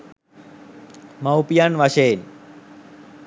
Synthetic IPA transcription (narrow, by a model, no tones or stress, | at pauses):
mawpijanʋaʃeːn